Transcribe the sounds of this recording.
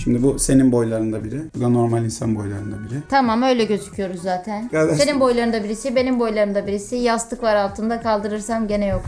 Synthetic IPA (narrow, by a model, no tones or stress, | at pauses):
ʃimd̪ibuse̞ninbo̞jlˠaɾɯnd̪abiɾɪbud̪ano̞ɾmalʲinsa̰nbo̞jlˠaɾɯnd̪abiɾɪt̪ʰamamø̞jlʲɛɟø̞zycʰyjo̞ɾuzːaːt̪ʰænkase̞ninbo̞jlˠaɾɯnd̪abiɾisibe̞nimbo̞jlˠaɾɯnd̪abiɾisijast̪ʰɯkvaɾalˠt̪ʰɯnd̪akalˠd̪ɯɾɯɾsamɟe̞nɛjo̞k